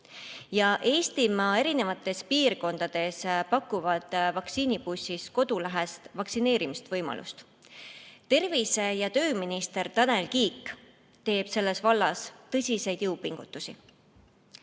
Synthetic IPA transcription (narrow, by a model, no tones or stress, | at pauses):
jɑʔe̞ːst̪imɑːe̞ɾine̞vɑt̪ːˑe̞spiːrko̞nd̪ɑd̪̥e̞spɑkːˑuvɑd̪̥vɑksiːnipusʲːisko̞d̪ulæɦest̪vɑksine̞ːɾimist̪vɤjmɑ̰lʔṵst̪ | t̪e̞rvisejɑt̪ø̞ːminist̪e̞rt̪ɑne̞lkiːkː | t̪e̞ːb̥se̞lːe̞svɑlːɑst̪ɤsʲise̞jd̪̥jɤwpiŋɡ̥ut̪ːˑusi